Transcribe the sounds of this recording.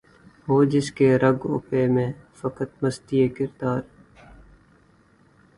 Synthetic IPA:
ɦoːd͡ʒɪskeɾɐɡʊ̰peːmẽːfɐkət̪̚məst̪ieːkɪɾd̪aːɾ

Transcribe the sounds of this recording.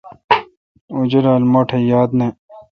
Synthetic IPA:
ud͡ʑɐɾaːlmoʈʰejaːd̪ne

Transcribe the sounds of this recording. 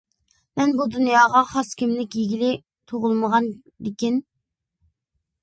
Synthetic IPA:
mɛnbud̪unjɑːʁɑχɑskʲimlɪkʲjiɡʲilɪ | t̪ʰoʁʊlˠməʁɑn | d̪ɪkʲin

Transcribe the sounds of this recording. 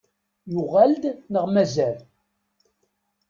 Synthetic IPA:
jʊʁæld̪nəʁmæzæl

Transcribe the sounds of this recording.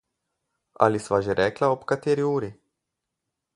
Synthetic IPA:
a̰lisʋaʒɛɾʔɛklaopkat̪eɾiuːɾi

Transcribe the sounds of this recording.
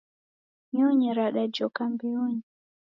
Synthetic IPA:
ɲɔɲɛɾaɗad͡ʒɔkambɛɔɲɛ

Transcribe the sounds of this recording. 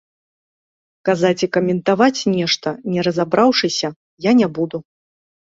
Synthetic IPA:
kazat͡sʲikɐmʲɛnt̪avat͡sʲnʲɛʂt̪ɐnʲɛɾɐzabɾawʂɨsʲɐ | janʲɛbud̪u

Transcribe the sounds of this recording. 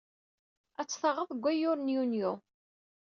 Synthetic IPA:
æt͡sːθɑʁəðˤɡʷːæjʊɾnjunjo

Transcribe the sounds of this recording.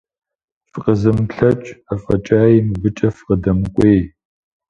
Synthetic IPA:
fɨqəzɨmɬɐt͡ʃʼɐfʼɐt͡ʃʼaːjimɨbɨt͡ʃʼɐfqədɐmɨkʷʼeːj

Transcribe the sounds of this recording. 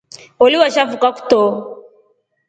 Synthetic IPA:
ɔliwaʃafukaku̥tɔ

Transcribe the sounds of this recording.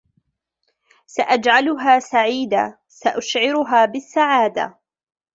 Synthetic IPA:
saʔad͡ʒʕalʊɦaːsaʕiːd̪a̰ | saʔʊʃʕɪɾʊɦaːbɪsːaʕaːd̪a̰

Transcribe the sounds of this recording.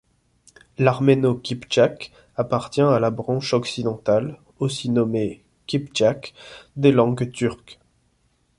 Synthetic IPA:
laʁmenokʲipt͡ʃak | apaʁt̪jɛ̃alabʁɑ̃ʃɔksid̪ɑ̃t̪al | osinɔme | kʲipt͡ʃakd̪elɑ̃ɡt̪yʁk

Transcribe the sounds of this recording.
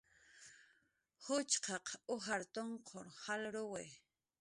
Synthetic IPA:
hʊt͡ʃqɑqʊɦaɾt̪oɴqʰoɾhalɾowe

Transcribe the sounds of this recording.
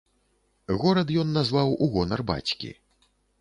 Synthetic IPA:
ɣɔɾɐt̪jɔnːazvawuɣɔnɐrba̰t͡sʲkʲḭ

